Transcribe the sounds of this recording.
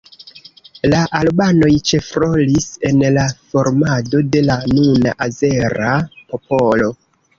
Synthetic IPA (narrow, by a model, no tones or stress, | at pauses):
laʔalbano̞jt͡ʃe̞fɾo̞lise̞nlafo̞ɾmado̞de̞lanuna̰ʔaze̞ɾapo̞po̞lo̞